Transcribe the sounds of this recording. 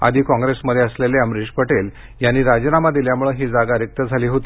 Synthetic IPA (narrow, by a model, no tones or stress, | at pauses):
a̰d̪ʱiːkɔ̃ŋɡɾesməd̪ʱeəsleleəmɾiʂpəʈel | janːiːɾad͡ʑnamad̪iljamuɭəɦiːd͡zaɡaɾjək̚t̪əd͡zʱaliːɦot̪i